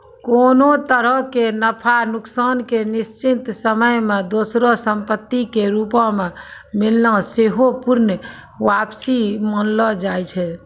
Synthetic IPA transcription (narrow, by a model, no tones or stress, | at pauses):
konot̪əɾəɦkenəpʰanuksaːnkenist͡ʃint̪səməjmed̪osɾosəmpət̪ːikeɾupɔ̃me | milnəseɦopuɾn | ʋapsimənlɔd͡ʒajt͡ʃʰɛ